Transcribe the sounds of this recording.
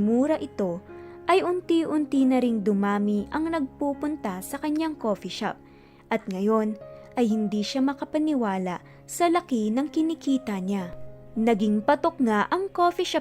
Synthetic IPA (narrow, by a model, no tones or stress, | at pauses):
muːɾɐʔɪt̪o̞ʔɐjʔʊnt̪iʔʊnt̪inɐɾɪŋd̪ʊmaːmiʔɐŋnɐɡ̚puːpʊnt̪asɐkɐɲaŋko̞ːfiʃa̰p̚ | ʔɐt̪̚ŋɐjo̞nʔɐjhɪnd̪iʃamɐkɐpɐnɪwaːlɐ̰ | sɐlɐkinɐŋkɪnɪkiːt̪ɐɲanɐɡiŋpɐt̪ok̚ŋaʔɐŋkoːfiʃa